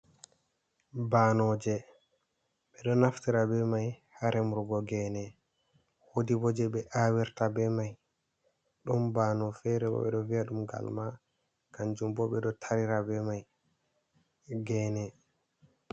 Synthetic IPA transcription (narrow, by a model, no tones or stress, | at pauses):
banɔd͡ʒɛ | ɓɛɗɔnaftiɾabɛmajhaɾɛmuɾɡɔɡɛnɛ | wodibɔd͡ʒɛɓɛʔawɛɾtabɛmaj | ɗumbanɔfɛɾɛbɔ̰ɓɛɗɔviaɗumɡa̰lma | kand͡ʒumbɔɓɛɗɔtʰaɾiɾabɛmaj | ɡɛːnɛ